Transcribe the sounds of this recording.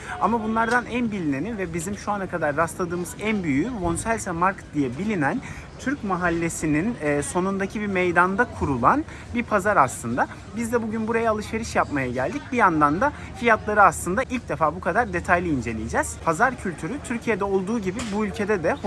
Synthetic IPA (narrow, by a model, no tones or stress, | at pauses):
amabunlˠaɾd̪anænbilʲine̞nivɛbizimʃuanakʰad̪aɾːast̪lˠad̪ɯːmɯzænbyjyvonsælʲsamaɾkd̪ijɛbilʲinæn | t̪ʰyɾcmaɦalʲːe̞sininːso̞nund̪acʰibimejd̪and̪akʰuɾulˠan | biɾpʰazaɾaslˠɯnd̪a | bizd̪ɛbuɟynbuɾajaːlˠɯʃve̞ɾɯʃjapmajaɟælʲd̪ic̚bijand̪and̪a | fijat̪lˠaɾɯaslˠɯnd̪aʔilʲc̚d̪efaːbukʰad̪aɾd̪e̞t̪ʰajlˠiind͡ʒe̞lʲḭjid͡ʒɛz̥pʰazaɾcʰylʲt̪ʰyɾyt̪ʰyɾcʰijed̪ɛo̞lˠd̪uːɟibibuylʲcʰe̞d̪ɛd̪ɛ